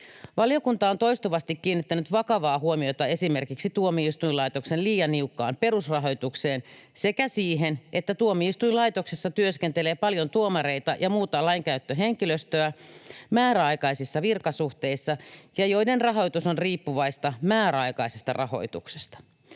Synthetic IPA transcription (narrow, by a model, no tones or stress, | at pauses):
ʋɑlijo̞kunt̪ɑont̪o̞jst̪uʋɑst̪ikːiːnːit̪ːænyt̪ʋɑkɑʋɑːhuomiot̪ɑe̞simerkiksit̪uomiist̪uilɑjt̪oksenliːjɑnːiukːɑ̰ːmpe̞rusrɑɦo̞jt̪ukseːnse̞kæsiːɦenʔet̪ːæt̪uomiist̪uilɑit̪oksesːɑt̪yøskent̪eleːpɑljont̪uomɑɾe̞it̪ɑjɑmuːt̪ɑlɑiŋkæyt̪ːøɦeŋkiløst̪øæmæːɾæɑjkɑisisːɑʋirkɑsuht̪e̞isːɑjɑjo̞idenrɑɦo̞jt̪usonriːpːuʋɑist̪ɑmæːɾæɑjkɑise̞st̪ɑ̰rʔɑho̞̰jt̪ṵkse̥st̪ɑ̥